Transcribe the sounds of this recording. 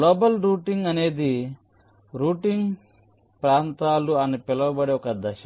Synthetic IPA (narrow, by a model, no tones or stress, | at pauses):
loːbɐlɾuːʈiŋɡɐne̞ːd̪i | ɾuːʈiŋɡ | pɾaːnt̪aːluanipɛlɐwɐbɐɽeɔkɐd̪ɐʃɐ